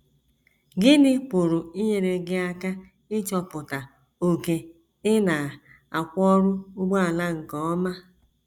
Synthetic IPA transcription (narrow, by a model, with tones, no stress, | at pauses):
ɡɪ˦dɪ˦pʊ˨ɾʊ˨i˦ɲe˨ɾe˨ɡɪ˦a˦ka˦ | ɪ˦t͡ʃɔ˨pʊ˨ta˨ | o˨ke˨ | ɪ˦na˨ | a˨kʷɔ˦ɾʊ˦ʊ˦ɡ͡bɔ˦a˨la˦ŋ̩˨kɔ˨ɔ˦ma˦